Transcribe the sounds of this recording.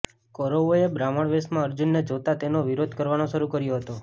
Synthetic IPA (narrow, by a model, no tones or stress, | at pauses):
kɔɾoʋoebɾaməɳʋesmãəɾd͡ʒunːed͡ʒot̪at̪enoʋiɾod̪ʱkəɾʋanoʃəɾukəɾjoɦət̪o